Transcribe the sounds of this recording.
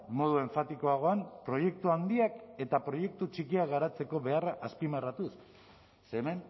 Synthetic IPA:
mo̞ð̞ue̞ɱfat̪iko̞aɣ̞o̞ampɾo̞je̞kt̪uand̪iake̞t̪apɾo̞je̞k̚t̪ut͡ʃikiaɣaɾat͡se̞ko̞βe̞araʔaspimarat̪usː | eme̞n

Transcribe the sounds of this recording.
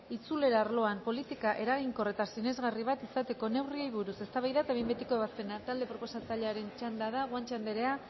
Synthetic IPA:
it͡sule̞ɾaːɾlo̞ampo̞lit̪ikaʔe̞ɾaɣiŋko̞re̞t̪asine̞zɣariβ̞at̪isat̪e̞ko̞ne̞wriajβ̞uɾuse̞st̪aβajðat̪aβembet̪ikoeβaspe̞nat̪ald̪e̞pɾopo̞sat͡saʎe̞aɾe̞nt͡ʃand̪aðaɣant͡ʃand̪eɾe̞a

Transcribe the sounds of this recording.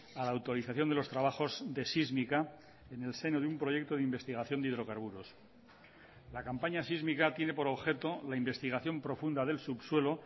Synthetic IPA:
alaːwt̪o̞ɾiθaθjond̪elo̞st̪ɾaβ̞axo̞zðe̞sizmika | ene̞lse̞noðeumpɾo̞ʝe̞k̚t̪o̞ð̞eimbe̞st̪iɣaθjo̞nd̪iðɾo̞kaɾβuɾo̞s | lakampaɲasizmikat̪je̞ne̞po̞ɾo̞βxe̞t̪o̞laimbe̞st̪iɣ̞aθjo̞mpɾo̞fund̪aðe̞lsupswe̞lo̞

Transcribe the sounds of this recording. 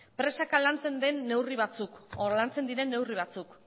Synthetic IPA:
pɾe̞sakalant͡se̞nd̪e̞nːe̞wriβ̞at͡sukoɾlant͡se̞nd̪iɾe̞nːe̞wriβ̞at͡suk

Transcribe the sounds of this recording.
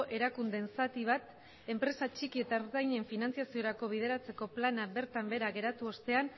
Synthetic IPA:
ʔe̞ɾakund̪e̞nsat̪iβ̞at̪ | e̞mpɾe̞sat͡ʃikie̞t̪aɾðajɲeɱfinant͡siasio̞ɾako̞β̞ið̞e̞ɾat͡se̞ko̞planabe̞ɾt̪ambe̞ɾaɣe̞ɾat̪uo̞st̪e̞an

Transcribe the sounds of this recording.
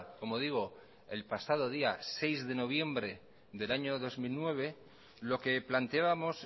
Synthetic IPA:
ko̞mo̞ð̞iɣ̞o | e̞lpasað̞o̞ð̞iase̞jzðe̞no̞β̞je̞mbɾe̞ | ðe̞laɲo̞ðo̞zmilnwe̞β̞e̞ | lo̞ke̞plant̪eaβamo̞s

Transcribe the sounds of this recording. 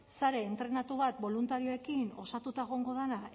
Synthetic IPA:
saɾe̞ːnt̪ɾe̞nat̪uβat̪̚bo̞lunt̪aɾio̞e̞kino̞sat̪ut̪aɣo̞ŋɡo̞ð̞ena

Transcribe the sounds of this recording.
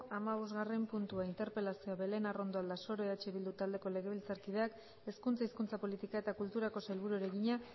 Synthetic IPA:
amaβ̞o̞zɣare̞mpunt̪uaint̪e̞ɾpe̞lasioaβe̞le̞naro̞nd̪oald̪aso̞ɾoeat͡ʃeβild̪ut̪ald̪e̞ko̞le̞ɣ̞e̞βilt͡saɾkið̞e̞ak | e̞skunt͡saiskunt͡sapo̞lit̪ikae̞t̪akult̪uɾako̞selβuɾuɾe̞ɣiɲa

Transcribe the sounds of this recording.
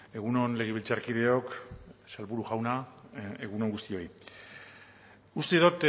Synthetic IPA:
e̞ɣ̞uno̞nle̞ɣ̞eβilt͡saɾkið̞e̞o̞ksalβuɾuʝawnaeɣuno̞ŋɡust̪io̞j | ust̪eðot̪

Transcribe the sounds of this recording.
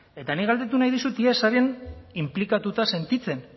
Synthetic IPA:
e̞t̪aniɣald̪e̞t̪unajðisut̪iesaɾianimplikat̪ut̪ase̞nt̪it͡se̞n

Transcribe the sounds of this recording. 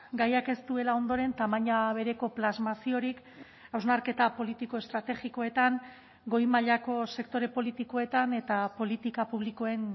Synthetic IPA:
ɡajake̞st̪ue̞lao̞nd̪o̞ɾe̞nt̪amaɲaβ̞e̞ɾe̞ko̞plazmasio̞ɾik | awznaɾke̞t̪apo̞lit̪iko̞e̞st̪ɾat̪e̞ɣiko̞e̞t̪aŋ | ɡo̞jmaʎako̞se̞kt̪o̞ɾe̞po̞lit̪iko̞e̞t̪ane̞t̪apo̞lit̪ikapuβ̞liko̞e̞ŋ

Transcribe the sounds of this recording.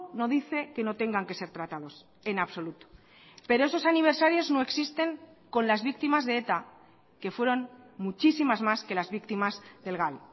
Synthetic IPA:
no̞ðiθe̞ke̞no̞t̪e̞ŋɡaŋke̞se̞ɾt̪ɾat̪aðo̞s | e̞naβso̞lut̪o̥ | pe̞ɾo̞e̞so̞saniβ̞e̞ɾsaɾjo̞zno̞e̞ksist̪e̞ŋ | ko̞nlazβik̚t̪imazðe̞et̪a | ke̞fwe̞ɾo̞nmut͡ʃisimazmaske̞lazβikt̪imazðe̞lɣal

